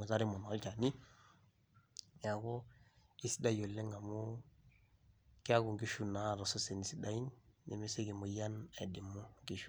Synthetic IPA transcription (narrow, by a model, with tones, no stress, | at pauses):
o˨za˦ɾi˦mɔ˨n˨a˦lt͡ʃa˨ni˦ | ja˨ɡo˦i˦si˦da˦jo˨lːe˦ŋɡa˨mu˦ | ki˦a˦ɡu˨ŋɡi˦ʃu˦na˦˨ɾɔ˨so˦se˨ni˨si˦da˦i˦nːḭ˨me˦se˦ɡi˨mo˨ja˦nḛ˨di˨mːu˦ŋɡi˨ʃu˦